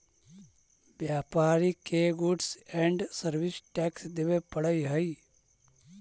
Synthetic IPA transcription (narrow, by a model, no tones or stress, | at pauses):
bjaːpaːɾikeːɡuɖsɛ̃ːɳɖsəɾʋɪsʈɛːksd̪eʋepɐɽəiɦəi